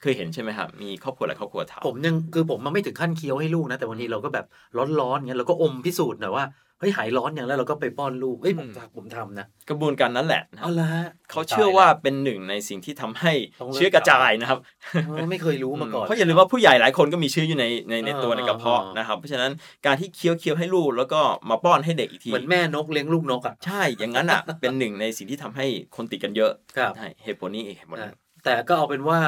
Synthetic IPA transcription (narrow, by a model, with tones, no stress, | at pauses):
kʰɤː˧jɦe˩˦nt͡ɕʰa˥˩jma˦jkʰa̰˦˥p̚miː˧kʰɔː˥˩p̚kʰu˧lɛ̰˨˩kʰɔː˥˩kʰu˧ɐt̪ʰa̰˧˦pʰo˩˦mja˧ŋkʰɯː˧pʰo˨˩˦mja˧ŋma˥˩jt̪ʰɯ˨˩˦ŋkʰa˥˩nkʰi˦˥əwha˥˩jluː˥˩k̚na˦˥t̪ɛ˨˩wa˧nːi˦˥ɾa˧wkɔː˥˩bɛː˨˩p̚ | lɔ˦˥nlɔː˦˥n˨i˦˥ɾa˧wkɔː˥˩ʔo˧mpʰi˦˥suː˨˩t̪̚nɔ˨˩˦waː˥˩ | hɤ˦˥jɦaː˩˦jlɔː˦˥nja˧ŋɛ˧˦˥ɾa˧wkɔː˥˩pa˧jpɔː˥˩nluː˥˩k̚ʔɤ˦˥˩jpʰo˩˧˦mta˨˦˩k̚pʰo˩˦mt̪ʰa˧mna˦˥kɾa˧bu˧ənkaː˧nːa˦˥nlɛ̰˨˩na˦˧a˦˥kʰa˦˥wt͡ɕʰɯ˥˩ɐwaː˥˩pe˧nːɯ˨˩ŋna˧jsi˨˩ŋt̪ʰiː˥˩t̪ʰa˧mha˥˩jt͡ɕɯː˦˥ka˧t͡ɕaː˧jna˦˥kʰa˦˥p̚ | ma˥˩jkʰɤː˧jɾuː˦˥ma˧kɔː˨ɔ˦˥ja˨˩lɯː˧mwaː˥˩pʰuː˥˩ja˨˩jlaː˩˦jkʰo˧nkɔː˥˩miː˧t͡ɕʰɯː˦˥juː˨˩na˧jna˧jna˧jt̪u˧əna˨˩ka˧˩pʰɔ˦˥na˦˥kʰa˦˥pʰːɔ˦˥t͡ɕʰa˧na˦˥n | kaː˧nt̪ʰiː˥˩kʰi˦˥əwkʰi˦˥əwɦa˥˩jluː˥˩k̚lɛː˦˥wkɔː˥˩maː˧pɔː˥˩nɦa˥˩jde˨˩k̚ʔiː˨˩kt̪ʰiːm˨˦˧ənmɛː˥˩no˦˥k̚li˦˥əŋluː˥˩k̚no˦˥k̚ʔa˨˩ʔt͡ɕʰa˥˩jja˨˩ŋːa˦˥nʔa̰˨˩pe˧nːɯ˨˩ŋna˧jsi˨˩ŋt̪ʰiː˥˩t̪ʰa˧mɦa˥˩jkʰo˧nt̪i˨˩ka˧njɤ˦˥ʔkʰt͡ɕʰa˥˩jhe˧˩poː˧niː˥˩ʔiː˨˩he˦˩po˨˧n˨˧˩ | t̪ɛː˨˩kɔː˥˩ʔa˨˩wpe˧nwaː˥˩